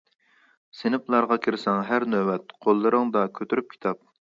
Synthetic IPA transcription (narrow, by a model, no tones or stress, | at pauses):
sɪnɨplˠɑɾʁɑkʲʰiɾsɑŋɦæɾnøwɛt̪̚qʰolˠːɨɾɨŋd̪ɑkʲʰøt̪ʰyɾyp̚kʲʰi̥t̪ʰɑp̚